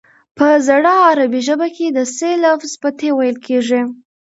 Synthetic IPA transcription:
pəzaɽɑːɾabiʒəbaked̪əselafzpat̪ewajəlkʰeʐi

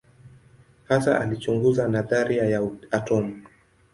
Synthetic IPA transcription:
hasa̰ʔalit͡ʃuŋɡuzanaðaɾiajaatɔmu

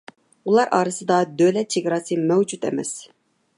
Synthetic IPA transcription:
ulˠɑɾʔɑ̰ːɾɨsɨd̪ɑd̪ølɛt̪̚t͡ʃʰeɡɾɑːsɨmɛwd͡ʒut̪ɛ̰mɛ̰s

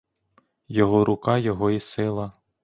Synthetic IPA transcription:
jɔɦɔɾʔʊkɑjɔɦɔisɪlˠɐ

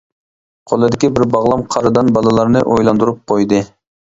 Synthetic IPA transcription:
qʰolˠɨd̪ɪkʲibɪɾbɑʁlˠɑmqʰɑɾɨd̪ɑnbɑlˠɨlˠɑɾnɨʔojlˠɑnd̪uɾup̚qʰojd̪ɨ

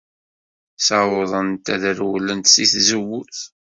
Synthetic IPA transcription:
sawoðˤənt̪æðəɾwlːənt̪siθzəwːʊθ

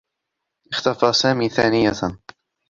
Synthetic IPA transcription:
ʔɪxt̪afaːsaːmiːθaːnɪja

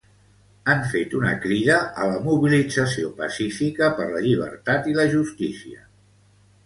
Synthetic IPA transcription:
aɱfet̪unə̰kɾiðəʔələmuβilid͡zəsiopəsifikəpəɾləʎiβ̞ə̰ɾt̪at̪iləʒust̪isiə̰

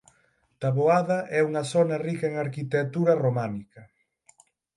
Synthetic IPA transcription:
t̪aβoaðɐʔɛuŋɐsɔnɐrikɐeŋaɾkit̪et̪uɾɐromanikɐ

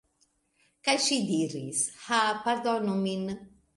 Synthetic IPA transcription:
kajʃid̪iɾḭshapaɾd̪ɔnumin

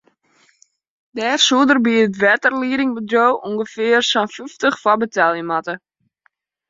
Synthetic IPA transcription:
dɛːrsuədərbiətʋɛtərliəɾɪŋbədrowʔuŋɡəfɪərsanfyftəχfɔbətʰɛlˠjəmatə

